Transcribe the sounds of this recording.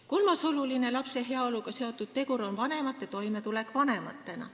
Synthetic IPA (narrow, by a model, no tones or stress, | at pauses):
kolmɑso̞luline̞lɑpse̞ɦeɑoluɡ̥ɑse̞o̞t̪ːˑud̪̥̚t̪e̞ɡuɾo̞nvɑne̞mɑt̪ːˑet̪o̞jme̞t̪ule̞kvɑne̞mɑ̰t̪ːˑe̞nɑ̰